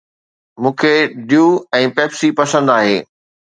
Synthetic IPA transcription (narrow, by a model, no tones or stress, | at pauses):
mũːkʰeɖijuɛ̃ːpɛːpsipɐsə̃nd̪aːɦeː